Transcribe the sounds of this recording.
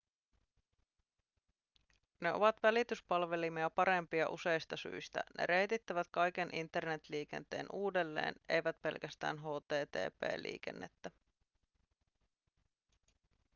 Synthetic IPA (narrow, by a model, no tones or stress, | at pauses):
ne̞o̞̰ʋɑt̪ʋælit̪yspɑlʋe̞limiɑpɑɾe̞mpiɑʔuse̞jst̪ɑsy̰jst̪æ̰nʔe̞̰ɾe̞jt̪it̪ːæʋæt̪kɑjk̟e̞nʔint̪ːe̞rne̞t̪liːk̟e̞̰nt̪e̞̰ːnuːde̞lːe̞̰ːne̞̰jʋæt̪pe̞lkæst̪æ̰ːnɦo̞ːt̪e̞ːt̪ḛːpḛːlːḭːk̟ḛnːḛt̪ːæ